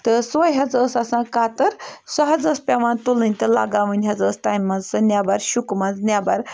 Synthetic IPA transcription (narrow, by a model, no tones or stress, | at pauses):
t̪əsʋəjɦad͡zəsasãkat̪əɾsəɦad͡zəspʲaʋãnt̪olə̃nʲt̪əla̰ɡaʋənʲɦad͡zəst̪ajmːad͡zsənjabaɾɕukmad͡znʲjabaɾ